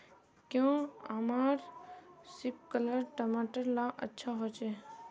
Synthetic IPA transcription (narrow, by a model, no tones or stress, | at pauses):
kjõə̰maɾsip̚kələɾʈəmaʈəɾlãʔə̰tːʃʰaɦot͡ʃɛ